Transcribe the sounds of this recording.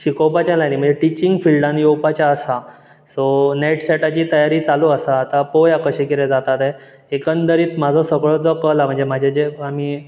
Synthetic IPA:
ɕikɔwpat͡ɕjalajnim̤əɳd͡zeʈit͡ɕiŋɡfilɖãnjowpat͡ɕjaəsa | sɔneʈseʈat͡ɕiːt̪əjaɾiːt͡saluəsaːt̪apojakəɕekiɾẽd͡zat̪at̪ɛ | ekənd̪əɾiːt̪m̤ad͡zʱɔsəɡɭɔd͡zɔkəlam̤əɳd͡zem̤ad͡ʑʱed͡zeamiː

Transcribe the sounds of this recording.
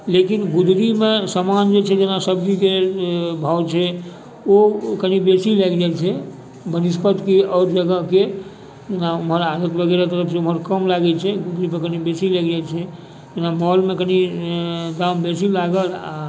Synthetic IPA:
lekinɡud̪ɾimesəmand͡ʒet͡ʃʰɛd͡ʒenasəbd͡ʒikebʱawt͡ʃʰɛ | okənibesilɛɡd͡ʒajt͡ʃʰɛ | bənispət̪keɔɾd͡ʒəɡəke | d͡ʒenaumɦəɾad̪ət̪bəɡeɾat̪əɾəpʰseumɦəɾkəmlaɡɛt͡ʃʰɛɡud̪ɾipekənibesilɛɡd͡ʒat͡ʃʰɛ | d͡ʒenamɔlmekəni | d̪ambesilaɡəla̰

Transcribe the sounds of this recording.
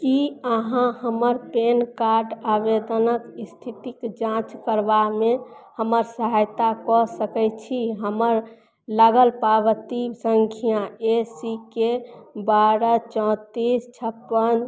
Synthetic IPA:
kiəɦãhəməɾpenkaɾɖabed̪ənəkist̪ʰit̪ikd͡ʒãt͡ʃkəɾbamehəməɾsəɦajt̪akɔsəkɛjt͡ʃʰiɦəməɾ | laɡəlpaβət̪isəŋkʰijãesikebaɾət͡ʃɔ̃t̪ist͡ʃʰəpːən

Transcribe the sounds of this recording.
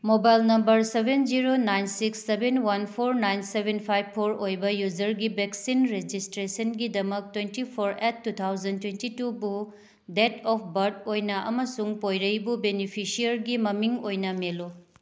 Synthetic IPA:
mobajlnɐmbɐɾsebʱend͡ʒiɾonajnsiksːebenwɐnpʰoɾnajnsebʱenpʰajbpʰːoɾojbɐjud͡ʒɐɾɡibeksinɾed͡ʒistɾesɐnɡidɐmɐk̚twentipʰoɾetːut̪ʰawzɐntwentitubu | detɔpʰbɐɾdojnɐʔɐmɐsuŋpojɾɐjbubenipʰisiɐɾɡimɐmiŋojnɐmelu

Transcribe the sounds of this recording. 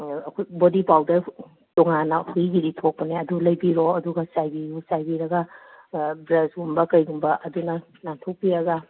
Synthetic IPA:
kʰujbodipawdɐ | tɔŋanɐhujɡiɾitʰok̚pɐneɐdulɐjbiɾoɐduɡɐsajbijusajbiɾɐɡɐ | bɾɐsɡumbɐkɐjɡumbɐʔɐdunɐ | naŋtʰok̚piɾɐɡɐ

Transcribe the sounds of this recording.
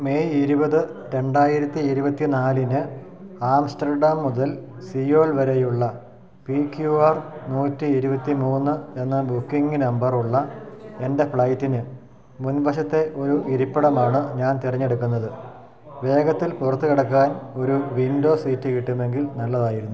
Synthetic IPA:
me̞iɾubɐðɨɾe̞ɳɖaːjiɾɐt̪ːiiɾubɐt̪ːinaːlinɨaːmsʈɐrɖaːmːuðɐlsioːɭʋɐɾejuɭːɐ | pikjuaːrnuːtːiiɾubɐt̪ːimuːnːɨe̞nːɐbukːiŋɡɨnɐmbɐruɭːɐe̞nde̞fɭɐjtːinɨ | munbɐɕ̬ɐt̪ːe̞ʔo̞ɾuʔiɾipːɐɽɐmaːɳɨɲaːnt̪irɐɲːeɽukːunːɐðɨ | ʋe̞ːɡɐt̪ːilpurɐt̪ːukiɽɐkːaːno̞ɾuʋindo̞ːsiːtːɨkiʈːume̞ŋɡilnɐlːɐðaːjiɾunːu

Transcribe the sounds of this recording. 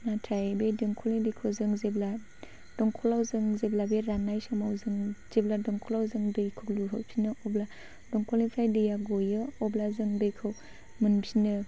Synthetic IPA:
natʰajbedɯŋkʰɔlidejkʰɯwzɯŋzebla | d̥ɔŋkʰɔlawzɯŋzeblabeɾanajsamawzɯŋz̥ebladɔŋkʰɔlawzɯŋbɯjkʰɯk̚luɦɯsʰinɯʔɔbla | dɔŋkʰɔlnipʰajdɯjaɡɔjɯɔblazɯŋbejkʰɯw | mɯnsinɯ

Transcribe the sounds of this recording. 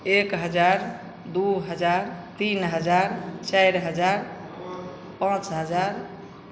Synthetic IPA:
ekɦəd͡ʒaɾ | d̪uɦəd͡ʒaɾt̪inɦəd͡ʒaɾt͡ʃajɾɦəd͡ʒaɾ | pãt͡ʃɦəd͡ʒaɾ

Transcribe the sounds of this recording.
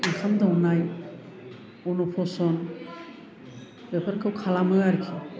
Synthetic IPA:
ɯŋkʰamdawnaj | ɔnupʰɔsɔn | bepʰəɾkʰɯwkʰalamɯaɾkʰi

